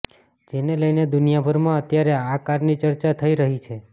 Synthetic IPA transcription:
d͡ʒeneləjned̪ʊnijabʱəɾmãət̪jaɾeakaɾnit͡ʃəɾt͡ʃat̪ʰəiɾəɦit͡ʃʰe

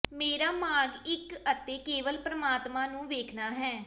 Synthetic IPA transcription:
meːɾaːmaːɾɡɪkət̪eːkeːʋəlpɾəmaːt̪mãːnũːʋeːkʰnaːɦɛː

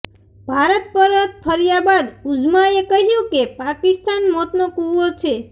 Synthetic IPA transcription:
bʱaɾət̪̚pəɾət̪̚pʰəɾjabad̪ud͡ʒmaekəɦjũkepakɪst̪anmot̪nokuʋot͡ʃʰe

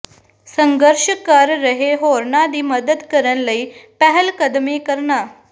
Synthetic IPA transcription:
səŋɡəɾɕəkaɾːəɦeɦoɾɳad̪iːməd̪əd̪kəɾə̃nləipɛɦəlkəd̪miːkəɾna

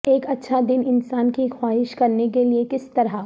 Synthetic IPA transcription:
eːkɐtːʃʰad̪ɪnɪnsaːnkixwaːɦɪʃkɐɾnekeliekɪst̪ɐɾa

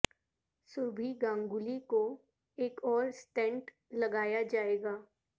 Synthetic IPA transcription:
sʊɾbʱiɡãːŋɡʊliko | eːkɔːɾsʈɛ̃ɳʈ | lɐɡaːjad͡ʒaːeːɡaː

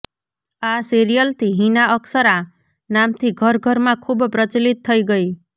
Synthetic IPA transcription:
aseɾijəlt̪ʰiɦinaʌksʌɾa | namt̪ʰiɡʱʌɾɡʱʌɾmãkʰubpɾʌt͡ʃilit̪ʰːʌiɡʌi

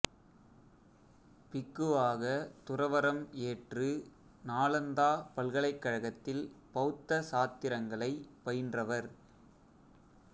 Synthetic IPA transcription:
pɪkːɯaːɣɐt̪ʊrɐʋɐɾɐmeːʈrɯ | naːɭɐnd̪aːpɐlɣɐɭɐɪkːɐɻɐɣɐt̪ːɪlpɐɯt̪ːɐsaːt̪ːɪɾɐŋɡɐɭɐɪpɐjndrɐʋɐɾ

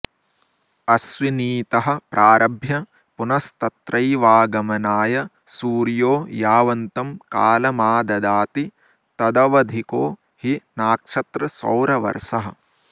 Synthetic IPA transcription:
ɐsʋiniːt̪ɐɦɐ̆pɾʔaːɾʔɐbʱjɐ | punɐst̪ɐt̪ɾɐjʋaːɡɐmɐnaːjɐ | suːɾjoːjaːʋɐnt̪ɐmka̰ːlɐmaːd̪ɐd̪aːt̪i | t̪ɐd̪ɐʋɐd̪ʱikoː | hinaːkʂɐt̪ɾɐsɐ̰wɾɐʋɐ̰ɾʃɐɦɐ̆

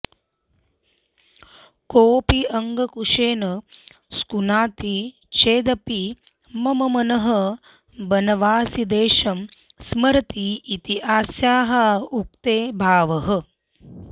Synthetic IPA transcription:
koːpiɐŋɡɐkuʂeːnɐ | skunaːt̪i | t͡ʃeːd̪ɐpi | mɐmɐmɐnɐɦɐ | bɐnɐʋaːsid̪eːʃɐmsmɐɾɐt̪iːt̪iaːsjaːɦɐuk̚t̪eːbʱaːʋɐɦɐ̆

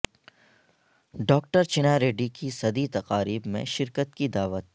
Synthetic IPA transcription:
ɖɔːk̚ʈəɾt͡ʃɪnaːɾeːɖikisɐd̪it̪ɐqaːɾiːbmḛ̃ʃɪɾkət̪kid̪aːʋət̪̚

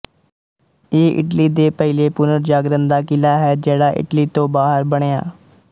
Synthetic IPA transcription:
eːʔɪ̰ʈliːd̪eːpəɪleːpʊnəɾd͡ʒaːɡɾənd̪aːkɪlaːɦɛːd͡ʒeːɽaːʔɪ̰ʈliːt̪õːbaːɦəɾbəɽ̃eːa̰ː

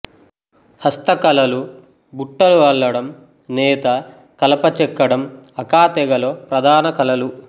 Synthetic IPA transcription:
hɐst̪ɐkɐlɐlu | buʈːɐluʋɐlːɐɽɐm | nɛːt̪ɐ | kɐlɐpɐt͡ʃɛkːɐɽɐmɐkaːt̪ɛɡɐloːpɾɐd̪ʱaːnɐkɐlɐlu

